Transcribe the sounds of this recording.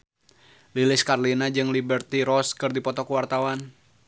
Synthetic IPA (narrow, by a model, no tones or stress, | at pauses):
lilɪskarlinad͡ʒɨŋlibərt̪iɾɔskɨrdipɔt̪ɔkuwart̪awan